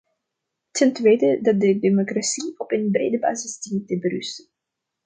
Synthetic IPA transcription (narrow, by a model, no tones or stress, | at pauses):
tʰəntʋeːjdədɑt̚dədemokrasiɔpənbrejdəba̰ːzɪzdintəbəɾʏstən